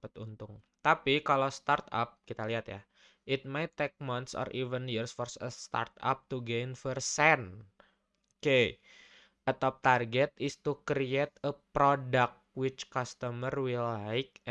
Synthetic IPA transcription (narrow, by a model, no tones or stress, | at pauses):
pət̪unt̪ʊŋt̪apikalost̪art̪a̰p̚kit̪aliɦat̪ja̰ | ʔɪt̪̚majt̪ːek̚mant̪sɔ̰rʔivənjirsfɔrsəst̪a̰rt̪a̰p̚t̪uɡejnfərsɛn | ke | ʔət̪ɔp̚t̪arɡɛt̪ɪst̪ukɾiet̪̚əpɾodak̚wɪt͡ʃkast̪əmərwilajk̚